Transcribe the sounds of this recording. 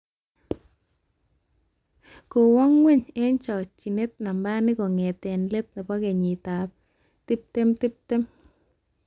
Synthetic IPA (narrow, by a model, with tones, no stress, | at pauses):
ko˨wɔ˦ŋwɪ˦ɲɛ˦nt͡ʃɔ˨t͡ʃi˨ne˦t̚na˨mba˦nɪ˦ko˨ŋe˨te˨nle˦t̚nɪ˨pɔ˦ke˨ɲi˨ta˨p̚ | tɪ˦p̚te˦mtɪ˦p̚te˦m